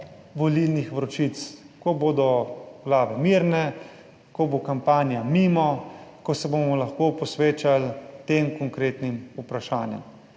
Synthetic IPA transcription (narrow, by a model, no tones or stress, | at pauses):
ʋɔlilnixʋɾɔt͡ʃit̪s | kɔboːd̪ɔɡlaːʋɛmiɾnɛ | kobokampaːnjamiːmɔkɔsɛbomɔlaxkoːpɔsʋeːt͡ʃalt̪eːmkɔŋkɾeːt̪nimupɾaʃaːnjɛ̰m